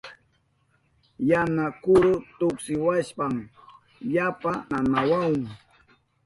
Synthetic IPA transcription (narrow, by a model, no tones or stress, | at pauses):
janakʊɾʊt̪ʊksɪwaʃpaŋ | japananawawŋ